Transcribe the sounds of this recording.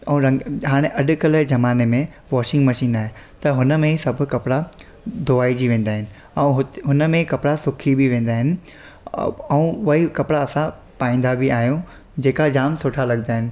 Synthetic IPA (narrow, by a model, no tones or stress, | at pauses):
ɛ̃ɾɐ̃ŋɡɦaːɽ̃eʔɐɗʊ̆kɐləd͡ʑɐmaːnemẽ | ʋɔːʃɪ̃ŋɡmɐʃiːnaːɦet̪ɐɦʊnə̆mẽsɐbʱʊ̆kɐpɽa | d̪oaːid͡ʑiʋẽːnd̪aːɦɪnɪ̆ | ɛ̃ũɦʊɦʊnəmẽkɐpɽasʊkʰibiʋẽːn̆d̪aːɦɪnɪ̆ | ɛũʋɐɦikɐpɽaɐsã | paːĩːn̆d̪abiaːɦijõ | d͡ʑeːkad͡ʑaːmsʊːʈʰalɐɠnaːɦɪnɪ̆